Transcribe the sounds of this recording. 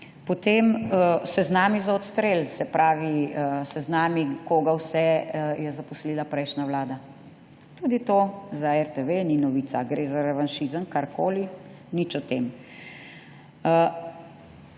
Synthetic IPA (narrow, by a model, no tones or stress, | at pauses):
pɔt̪emsɛznaːmizaɔt̪st̪ɾeːlsɛpɾaːʋisɛznaːmikoːɡawsɛjɛzapɔsliːlapɾɛjʃnawlaːd̪a | t̪uːd̪it̪oːzaɛɾt̪eʋeninɔʋiːt̪saɡɾeːzaɾɛʋanʃizəmkaɾkoːli | nit͡ʃɔt̪em